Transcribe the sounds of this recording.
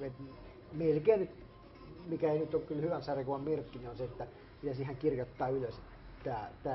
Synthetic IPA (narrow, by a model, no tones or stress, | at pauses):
et̪ | melkeːnnyt̪ | mikæeinyt̪okkylhyʋænsɑrikuʋɑmmerkːinionseet̪ːæ | mit̪æsihæŋkirjot̪ːɑːyløs | t̪æːt̪æː